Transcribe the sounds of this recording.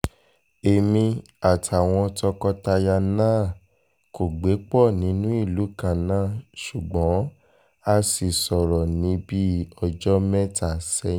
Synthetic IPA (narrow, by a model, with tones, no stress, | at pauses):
e˨mĩ˧ | a˨tʰa˨w̃ɔ̃˧tɔ˧kɔ˧ta˧ja˧nãː˦˨ | ko˨ɡ͡be˨˦k͡pɔ˦˨nĩ˨˦nũ˦i˦˨lu˨˦kã˦˨nãː˦˨ʃu˨ɡ͡bɔ̃˨˦ | a˧si˨sɔ˨ɾɔ˨nĩ˨˦bi˦ɔ˧d͡ʒɔ˦mɛ̃˦ta˦˨sɛ̃˧˦